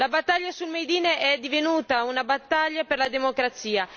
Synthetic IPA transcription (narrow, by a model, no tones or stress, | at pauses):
labat̪ːaʎːasulmejd̪iːneʔɛd̪ivenuːt̪aunabat̪ːaʎːapeɾlad̪emokɾat̪siːa